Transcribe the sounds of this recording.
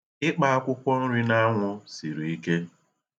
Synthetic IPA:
ɪ˦k͡pa˦a˦kʷʊ˦kʷɔ˦n̩˦ɾi˦na˦ŋʷʊ˦si˨ɾi˨i˦ke˦

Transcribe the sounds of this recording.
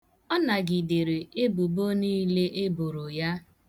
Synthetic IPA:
ɔ˦na˨ɡi˨de˨ɾe˨e˦bu˨bo˦niː˦le˦ʔe˦bo˨ɾo˨ja˦

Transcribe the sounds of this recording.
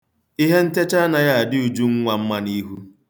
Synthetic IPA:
i˦ɦe˦n̩˦te˦t͡ʃa˦na˨ja˦a˨dɪ˦u˨d͡ʒu˦ŋ̩˦ŋʷa˨m̩˦ma˦ni˦ɦu˦

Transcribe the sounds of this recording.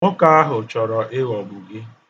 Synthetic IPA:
ŋʊ˦ka˦a˦ɦʊ˨t͡ʃɔ˨ɾɔ˨ʔɪ˦ɣɔ˨ɡʊ˨ɡɪ˦

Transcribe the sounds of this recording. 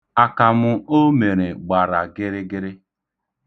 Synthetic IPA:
a˨ka˨mʊ˦o˦me˨ɾe˨ɡ͡ba˨ɾa̰˨ɡɪ˦ɾɪ˦ɡɪ˦ɾɪ˦

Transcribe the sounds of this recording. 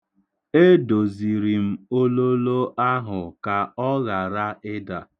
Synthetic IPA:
e˦do˨zi˨ɾi˨m̩˦o˦lo˦lo˦ʔa˦ɦʊ˨ka˨ɔ˦ɣa˨ɾa˦ɪ˦da˨

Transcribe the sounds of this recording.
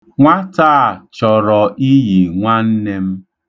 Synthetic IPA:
ŋʷa˦taː˦˨t͡ʃɔ˨ɾɔ˨ʔi˦ji˨ŋʷa˦n̩˦ne˦m̩˦

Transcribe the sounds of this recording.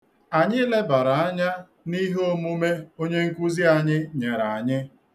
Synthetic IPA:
a˨ɲɪ˦le˦ba˨ɾa˨a˦ɲa˦ | ni˦ɦo˦mu˦me˦o˦ɲe˦ŋ̩˦kʷu˦zi˦a˨ɲɪ˦ɲe˨ɾa˨a˨ɲɪ˦

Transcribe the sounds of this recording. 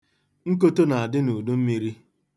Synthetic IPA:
ŋ̩˦k̬o˦to˦na˨a˨dɪ˦nu˨du˦m̩˦mi˨ɾi˦

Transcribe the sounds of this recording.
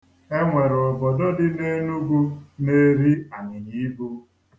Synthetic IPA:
e˦ŋʷe˨ɾʊ˨bɔ˨do˦dɪ˦ne˦nu˦ɡu˦ne˦ɾi˦a˨ɲɪ˨ɲi˨˦ɡu˦

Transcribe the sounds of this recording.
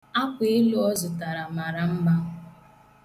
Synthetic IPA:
a˦kʷe˨ɪ˦lu˦ɔ˦zʊ˨ta˨ɾa˨ma˨ɾa˨m̩˦ba˦ʊ˨

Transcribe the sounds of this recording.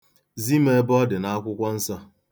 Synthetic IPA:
zi˦me˦bɔ˦dɪ˨na˦a˦kʷʊ˦kʷɔ˦n̩˦sa˦

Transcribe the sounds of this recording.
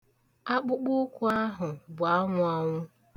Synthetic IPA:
a˦k͡pʊ˦k͡pʊ˦kʷu˦a˦ɦʊ˨bʊ˨a˦ŋʷʊ˦a˦ŋʷʊ˦

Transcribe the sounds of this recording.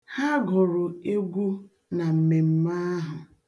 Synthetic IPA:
ha˦ɡɔ˨ɾʊ˨e˦ɡʷu˦ | na˨m̩˨me˨m̩˦ma˦ɦʊ˨

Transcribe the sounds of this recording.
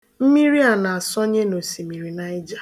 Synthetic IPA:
m̩˦mi˦ɾi˦a˨na˨a˨sɔ˦ɲe˦no˨si˨mi˨ɾi˨na˦ɪ˦d͡ʒa˦

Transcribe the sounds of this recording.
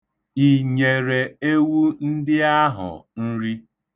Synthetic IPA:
i˨ɲe˨ɾe˨e˦wu˦n̩˦dɪ˦a˦ɦʊ̰˨n̩˦ɾi˦

